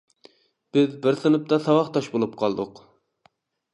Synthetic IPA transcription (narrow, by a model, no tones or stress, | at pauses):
b̥ɪzbɪɾsɨnɨp̚t̪ɑsɑwɑχt̪ʰɑʃbolˠup̚qʰɑlˠd̪ʊ̰q